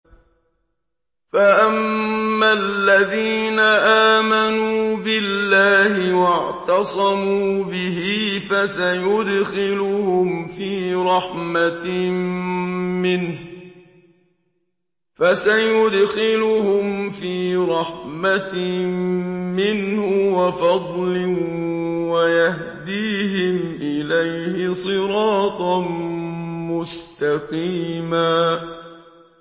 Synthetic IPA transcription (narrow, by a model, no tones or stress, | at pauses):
faʔamːalːaðiːnaʔaːmanuuːbɪllːaːhɪwɑʕt̪ɑsˤɑmuːbɪɦɪfasajʊd̪xɪlʊhʊmfiːɾˤɑħma | mɪnh | fasajʊd̪xɪlʊhʊmfiːɾˤɑħma | mɪnhʊwafɑd̪ˤlɪ | wajah | d̪iːɦɪmʔɪlajhɪsˤɨɾɑːt̪ˤ | mʊst̪aqiːmaː